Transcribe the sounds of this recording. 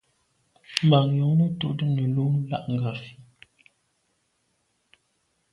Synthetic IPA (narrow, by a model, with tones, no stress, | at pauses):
m˨ba˨ŋjo˨ŋnə˦to˦ʔdə˦nə˨lo˦ŋ˦la̰˦ʔŋ˨ɡa˨fi˦